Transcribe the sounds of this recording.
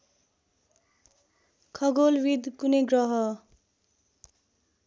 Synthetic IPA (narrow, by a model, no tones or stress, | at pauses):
kʰʌɡolwid̪ʱkunʌjɡrʌɦʌ